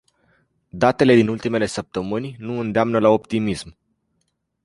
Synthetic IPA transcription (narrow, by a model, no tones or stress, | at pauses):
d̪at̪e̞le̞d̪inult̪ime̞le̞səp̚t̪əmɨnʲnuɨnd̪eamnəlao̞pt̪imism